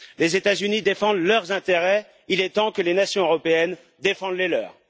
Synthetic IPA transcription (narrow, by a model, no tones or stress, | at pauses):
lezet̪azynid̪efɑ̃d̪lœʁzɛ̃t̪eʁɛ | ilɛt̪ɑ̃kəlenasjɔ̃øʁɔpeɛn | d̪efɑ̃d̪lɛlœ̰ːʁ